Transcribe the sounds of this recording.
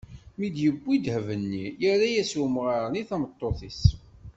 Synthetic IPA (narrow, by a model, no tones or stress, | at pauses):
mid̪jəbːid̪həvənːijæɾæjæsumʁaɾniθæmət̪ˤːoθis